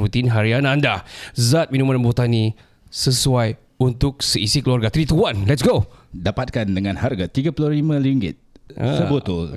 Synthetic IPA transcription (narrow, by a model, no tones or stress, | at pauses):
ɾut̪inɦaɾianãndazat̪̚mĩnũmãnbot̪ani | səsuaj | unt̪ʊk̚səisikəluarɡat̪ɾit̪uanlɛtsɡodapat̪̚kandəŋãnharɡat̪iɡapululimə̃liŋɡɪ̰t̪̚a̰səbut̪ʊl